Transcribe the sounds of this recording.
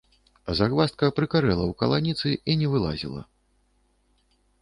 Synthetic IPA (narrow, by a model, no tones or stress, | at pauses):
zaɣvast̪̚kɐpɾɨkaɾɛlˠɐwkɐlˠanʲit̪sɨʔinʲɛvɨlˠa̰zʲḭlˠɐ̰